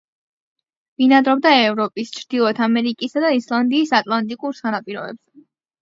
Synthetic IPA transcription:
vinad̪ɾɔb̚d̪aɛvɾɔpʼist͡ʃʰɾd̪̥ilˠɔt̪ʰamɛɾikʼisad̪aislˠand̪iːsat̪ʼlˠant̪ʼikʼuɾsanapʼiɾɔ̰bɛ̰bz̥ɛ

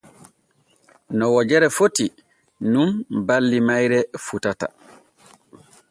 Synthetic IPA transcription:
nɔwɔd͡ʒɛɾɛfoti | numbalːimajɾɛfutata̰

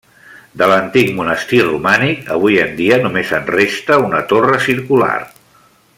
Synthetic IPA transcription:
d̪ələnt̪ikmunəst̪irumanikəβ̞ujənd̪iənumezənrest̪əunət̪orəsiɾkula̰r

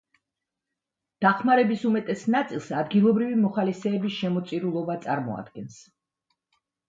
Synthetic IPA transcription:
d̪̥aχmaɾɛbisumɛt̪ʼɛsnat̪sʼilˠsad̪ɡilˠɔbɾivimɔχalisɛːbisʃɛmɔt̪sʼiɾulˠɔbat̪sʼa̰ɾmɔ̰a̰d̪̚ɡɛns

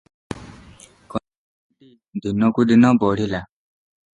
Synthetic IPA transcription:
kɔndi | dinɔ̃kudinɔ̃bɔɾila

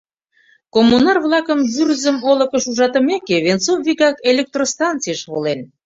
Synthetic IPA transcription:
komːunɑrβlˠɑkəmβyrzəmolə̆kəʃuʒɑt̪ə̆mekeβent͡sovviɣɑkelʲek̚t̪rost̪ɑnt͡sijəʃβolen

